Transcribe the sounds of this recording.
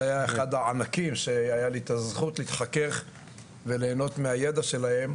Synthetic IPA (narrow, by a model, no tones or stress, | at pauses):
ajaeχad̪aʕanakimʃeajalit̪azχut̪liit̪χake̞χ | ve̞le̞ːno̞t̪meaje̞d̪aʃe̞lahe̞m